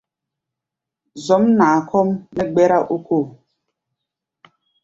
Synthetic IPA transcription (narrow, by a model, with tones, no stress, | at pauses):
zɔ˨˦mna˨kʰɔ˦mnɛ˦ɡ͡bɛ˦ɾa˦ʔu˦ko˦˨